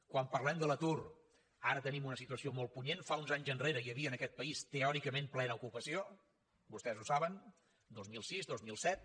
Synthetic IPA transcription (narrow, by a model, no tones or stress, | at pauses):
kwampərlɛmd̪ələt̪ur | aɾət̪ənimunəsit̪uəsiomolˠt̪̚puɲenfaunzaɲzənreɾəiəβiənəkɛt̪̚pəist̪əɔɾikəmẽmplɛnəukupəsio | bust̪ɛzusaβən | d̪ozmilˠsizd̪ozmilˠsɛt̪̚